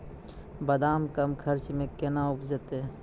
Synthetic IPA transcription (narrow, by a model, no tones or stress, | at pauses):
bəd̪aːmkɐmkʰəɾt͡ʃmẽkenaʊpʰd͡ʒət̪e